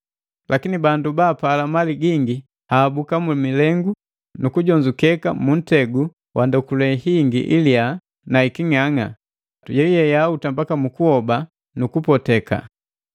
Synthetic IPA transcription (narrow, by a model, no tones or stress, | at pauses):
lʔakinibandubaːpaːlamaliɡiŋɡi | haːbukamumilɛŋɡu | nukuɟɔɲd͡ʒukɛkamun̩tɛɡu | wʔandɔkulɛhiŋɡḭʔilia | naikiŋaŋa | tujɛjɛjautambakamukuhɔba | nukupɔtɛka̰